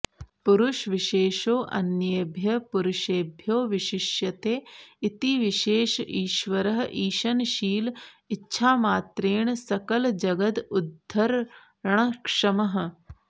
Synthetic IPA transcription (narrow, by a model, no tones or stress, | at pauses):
puɾuʃʋiʃeːʃoːʔɐ̰njebʱjɐpuɾuʃeːbʱjoːʋiʃɪʃjɐt̪eːit̪iʋiʃeːʃiːʃʋɐɾɐɦʔiːʃɐnʃiːliːʃʰaːmaːt̪ɾeːɳsɐkɐld͡ʒɐɡɐt̪ud̪ʱːɐɾ | ɐɳ̃ɐkʂɐmɐɦɐ̆